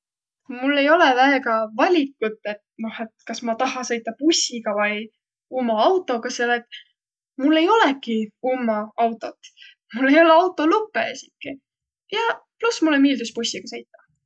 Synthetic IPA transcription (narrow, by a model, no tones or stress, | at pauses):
mulːe̞jo̞lɛvæeɡɑvɑlʲikːˑut̪ːˑe̞t̪̚no̞he̞t̪kɑsmɑt̪ɑɦɑsɤjt̪ːˑɑpusʲiɡ̥ɑvɑj | umːɑɑwt̪ːˑo̞kɑselet̪ | mulːe̞jo̞lekiumːɑɑwt̪ːˑo̞t̪ˑ | mulːe̞jo̞leɑwt̪ːˑo̞lupːˑḛesʲikːi | jɑplusmulːemiːld̪uspusʲːiɡ̥ɑsɤjt̪ːˑɑ̥